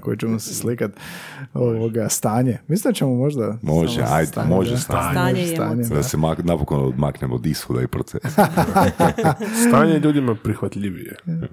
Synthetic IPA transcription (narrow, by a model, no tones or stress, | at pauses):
kojet͡ʃemoseslikat̪oʋoɡast̪aːɲemislit͡ɕemomo̞ʒd̪amoʒḛa̰jd̪moʒest̪aaosa̰ːɲed̪asemaknapokond̪maknemod̪ishod̪aipɾot̪se | st̪aːɲeʎuːd̪imapɾixʋat̪ʎiʋijḛ